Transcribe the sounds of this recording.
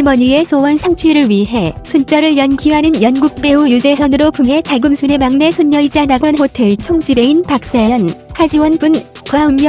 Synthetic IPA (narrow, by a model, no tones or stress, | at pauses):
ɭmʌɲie̞sʰowʌnsʰaŋt͡ɕʰuɾɯɭɥiɦe̞sʰont͡ɕ͈ʌɾɯɭjʌnkʰiɦanɯnjʌnɡuk̚p͈e̞ujud͡ʑe̞sʰʌnɯɾopumɦe̞t͡ɕaɡumsʰune̞maŋne̞sʰoɲːʌid͡ʑianaɡʌnɦotʰe̞ɭt͡ɕʰʌŋd͡ʑibe̞inpak̚s͈ajʌnhad͡ʑiwʌnɡunkʌunɲʌ